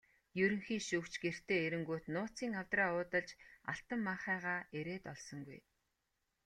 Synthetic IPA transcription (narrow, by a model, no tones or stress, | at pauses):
jɵɾɵ̆ŋxiːʃukt͡ɕɡer̥t̪eːeɾɘ̆ŋɡoːt̪nʊːt͡siːŋaw̥t̪raːʊːt̪ə̆ɮt͡ɕa̰ɬt̪ə̆mːaχæːʁaːeɾeːt̪ɔɮsɞ̆ŋɡṵj